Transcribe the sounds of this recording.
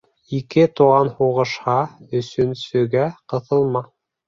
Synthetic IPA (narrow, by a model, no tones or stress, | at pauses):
ikɘt̪uʁɑnhuʁɤ̆ʃhɑɵ̆sɵ̆nsɵ̆ɡæqɤ̆θɤ̆lˠmɑ